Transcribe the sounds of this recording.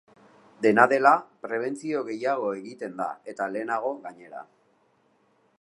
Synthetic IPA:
d̪e̞naðe̞lapɾe̞β̞e̞nt͡sio̞ɣe̞jaɣ̞o̞eɣit̪e̞nd̪a̰e̞t̪ale̞ːnaɣ̞o̞ɣaɲe̞ɾa̰

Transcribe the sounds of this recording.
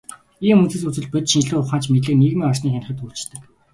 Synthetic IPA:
iːmɵnt͡sɘ̆sut͡sɘ̆ɮpɵt͡ɕ̪ʃint͡ɕɮɘːʊχaːnt͡ɕmeɮɘ̆kneɣmiːŋɔrsniːxanə̆χə̆t̪uɮt͡ɕt̪ɘ̆k

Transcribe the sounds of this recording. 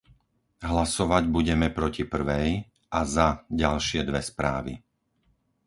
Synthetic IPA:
ɦlasɔʋaɟbuɟɛmɛpɾɔcipr̩ʋɛj | ʔazaɟalʃɪɛd̪ʋɛspɾa̰ːʋḭ

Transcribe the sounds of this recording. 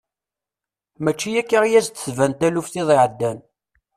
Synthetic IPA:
mæt͡ʃːijækːaʁjæzt̪svænt̪ælufθiðˤɪʕəd̪ːæn

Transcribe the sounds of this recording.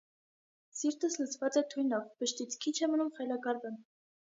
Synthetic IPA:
siɾt̪əslət͡sʰvɑt͡sɛt̪ʰujnɔvbəʃt̪it͡sʰkʰit͡ʃʰɛmənumχɑjlɑkɑɾvən

